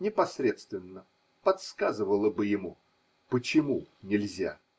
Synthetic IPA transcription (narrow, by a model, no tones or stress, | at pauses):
nʲɪpɐsɾʲe̞t̪st̪vʲɪnːə | pɐt̪skazɨvəlˠəbɨjɪmu | pət͡ɕɪmunʲɪlʲzʲa̰